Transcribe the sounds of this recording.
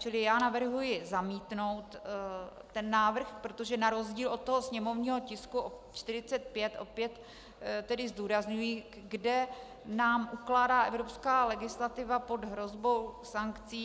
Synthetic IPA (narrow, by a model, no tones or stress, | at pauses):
t͡ʃɪlɪjaːnavr̩ɦujɪzamiːt̪no̞wt̪ː | ɛnːaːvr̩xpɾot̪o̞ʒɛnaɾo̞zɟiːlo̞t̪̚t̪o̞ɦosɲɛmo̞vɲiːɦo̞cɪskuʔo | t͡ʃt̪ɪɾ̝ɪt͡sɛt̪̚pjɛt̪ʔo̞pjɛt̪ | t̪ɛdɪzduːɾazɲujiː | ɡdɛ | naːmʔuklaːdaːʔɛvɾo̞pskaːlɛɡɪslat̪ɪvapo̞d̪ɦɾo̞zbo̞wsaŋkt͡siː